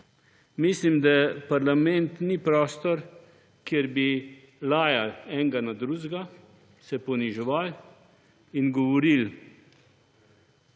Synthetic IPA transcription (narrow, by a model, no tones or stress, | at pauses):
mislimd̪apaɾlamɛnt̪nipɾɔːst̪ɔɾ | kjɛɾbi | laːjalɛŋɡanad̪ɾuʒɡa | sɛpɔniʒɔʋal | inɡɔʋɔɾil